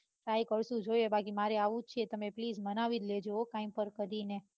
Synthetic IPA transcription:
ʈɾajkəɽʃũd͡ʒojebakimaɾeaʋũt͡ʃʰet̪əmepliːd͡ʒmənaʋid̪led͡ʒookãimpəɾkəɾine

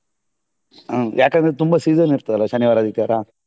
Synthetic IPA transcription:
jʔaːkɐnd̪ɾet̪umbasiːzɐniɾt̪ɐd̪ɐlːʋɐʃɐnjiʋaːɾad̪it̪ːaːɾa

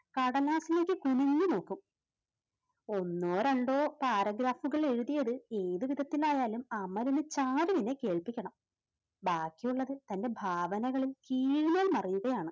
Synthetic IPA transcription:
kɐɽɐlaːsilekʲːɨkuniɲːɨno̞ːkːum | o̞nːoːɾɐɳɖo̞ːpaːɾɐɡɾaːfuɣɐɭe̞ɻuðijɐðɨe̞ːðɨʋid̪ʱɐt̪ːilaːjaːlumɐmɐlinɨt͡ɕaːɾuʋinːe̞ke̞ːɭpikʲːɐɳɐm | baːkːijuɭːɐðɨt̪ɐnde̞bʱaːʋɐnɐɣɐɭilkiːɻimeːlmɐrijuɣɐjaːɳɨ

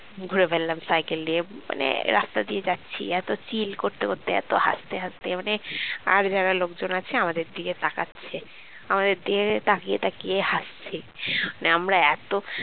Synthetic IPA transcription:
ɡʱuɾebʱellamsajkeliema̰nḛɾast̪ad̪ied͡ʑatːɕʰḭɛt̪ot͡ɕilkoɾt̪ekoɾt̪eɛ̰t̪oha̰st̪eɦast̪emanea̰ɾd͡ʑaɾalokd͡ʑonat͡ɕʰeamad̪eɾd̪iɡet̪aka̰tːɕʰe | amad̪eɾd̪iɡet̪akiet̪akiehast͡ɕʰi | aneamɾaɛt̪o

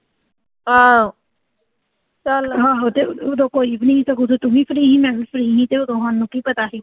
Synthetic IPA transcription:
ã | t͡ʃəlɦãːɦot̪eod̪õːkoːiːbʱinəĩsəkoːt̪et̪ʊɦĩːpʰɾiːɦĩːmɛ̃ːbipʰɾiːɦĩːt̪eːod̪õːɦanːũːkiːpət̪aːsiː

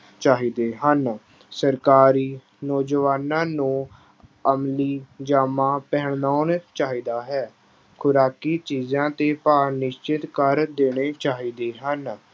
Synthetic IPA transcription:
t͡ʃaːɦiːd̪eːɦən | səɾkaːɾiː | nɔːd͡ʒəʋaːnãːnũː | əmliːd͡ʒaːmãːpɛːɳnaːnt͡ʃaːɦiːd̪aːɦɛː | kʰʊɾaːkiːt͡ʃiːzãːt̪eːpaːɾnɪʃt͡ʃɪt̪kəɾd̪eːɽ̃eːt͡ʃaːɦiːd̪eːɦən

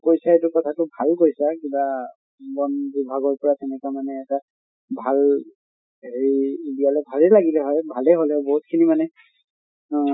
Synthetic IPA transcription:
kojsaetʊkɔtʰatʊbʱalkojsakiba | bɔnbibʱaɡɔɹpɔɹatɛnɛkwamanɛːta | bʱal | ɦeɹibijalɛbʱalɛlaɡilɛɦɔjbʱalɛɦolɛboɦut̚kʰinimanɛ

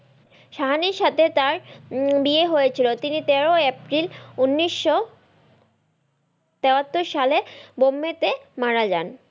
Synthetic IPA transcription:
ʃaɦaniɾʃat̪ʰet̪aɾbieɦojet͡ɕʰilot̪init̪eɾoepɾilunːiʃːo | t̪ɛoat̪ːoɾʃalebomːet̪emaɽad͡ʑa̰n

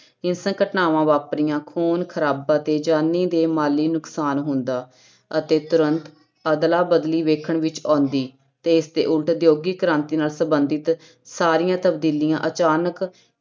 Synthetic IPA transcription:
ɪnsə̃ŋkəʈnaːʋãːʋaːpɾijãːkʰoːnkʰəɾaːbãːt̪eːd͡ʒaːnːiːd̪eːmaːliːnʊksaːnɦʊ̃nd̪aː | ət̪eːt̪ʊɾənt̪ | əd̪laːbəd̪liːʋeːkʰəɳʋɪt͡ʃãːnd̪iː | t̪eːɪsd̪ḛːʔʊlʈd̪joːɡiːkəɾãːnt̪iːnaːlsəmbənd̪ɪt̪ | saːɾɪjãːt̪əb̚d̪iːlɪjãːʔət͡ʃaːnək

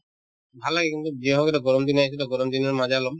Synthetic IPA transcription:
bʱalːaɡɛkint̪ud͡ʒiɦɔkɛtɛɡɔɹɔmd̪inaisɛtɛɡɔɹɔmd̪inɔɹmazɛalɔm

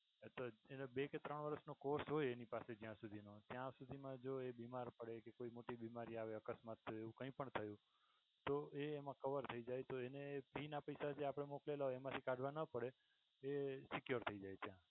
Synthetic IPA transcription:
t̪oenebeket̪ɾəɳʋəɾəʃnokoɾsɦojenipased͡ʒjãsud̪ʱinot̪jãsud̪ʱimãd͡ʒoebimaɾpəɽekekoimoʈibimaɾiaʋeəkəsmat̪ʰːəeũkə̃ĩpəɳt̪ʰəjũ | t̪oeːmãkəʋəɾt̪ʰəid͡ʒajt̪oenepinapəjsad͡ʒeapəɽ̃emoklelaɦoemãt̪ʰikaɖʱʋãnəpəɽe | esɪkjoɾt̪ʰəid͡ʒajt̪jã

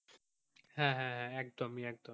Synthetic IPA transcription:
hɛ̃ɦɛ̃ɦɛ̃ɛk̚d̪omiɛk̚d̪o

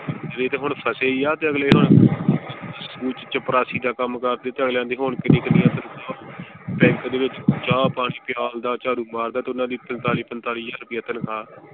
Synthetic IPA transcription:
d͡ʒəd̪eːt̪eːɦʊɳpʰəseːiːaːt̪eːəɡleːɦʊɳ | skuːt͡ʃt͡ʃəpɾaːsiːd̪aːkəmkəɾd̪eːt̪eːəɡleːãːnd̪iːɦʊɳkənɪkd̪iːət̪ənkʰaːpɛ̃ːŋkd̪eːʋɪt͡ʃːt͡ʃaːpaːɽ̃iːpɪjaːld̪aːt͡ʃaːɾũːmaːɾd̪aːt̪eʊnãːd̪iːpənt̪aːliːpənt̪aːliːjaːɾpiːət̪ənkʰaː

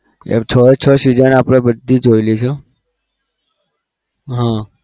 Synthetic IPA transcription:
ḛt͡ʃʰəet͡ʃʰəsid͡ʒənapɽ̃ebəd̪ʱːid͡ʒoilit͡ʃʰo | ɦã

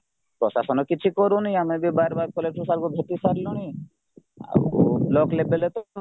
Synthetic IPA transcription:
pɾɔsa̰sɔnɔkɪt͡ʃʰikɔɾũnĩamẽbʱibaːɾbaːɾ̚koleʈʰusalkobʱet̪isaɾlɔñi | a̰o̰blɔklebelet̪o

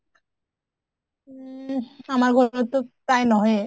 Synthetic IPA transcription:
amaɾɡʱɔnot̪ːot̪ajnɔɦe

